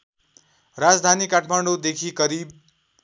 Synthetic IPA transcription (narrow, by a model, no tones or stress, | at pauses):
ɾad͡zd̪ʱanikaʈʰmaɳɖod̪ekʰikʌɾib